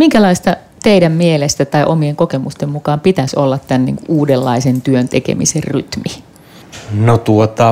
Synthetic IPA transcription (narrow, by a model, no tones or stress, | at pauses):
miŋkælɑist̪ɑ | t̪eidæmːmielest̪æt̪ɑiʔomieŋkokemust̪emmukɑːmpit̪æso̰lːɑt̪t̪ænnḭːŋkuʔʔuːdelːɑisent̪yønt̪ekḛmḭsḛrryt̪mi | not̪uot̪ɑ